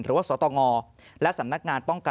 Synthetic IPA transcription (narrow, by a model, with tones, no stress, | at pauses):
nɾɯ̰ː˨˦waː˥˩ɔː˩˦t̪ɔː˧ŋɔː˧ | lɛ˦˥ʔsa˩˦mna˦˥k̚ŋaː˧npɔ˥˩ŋka˨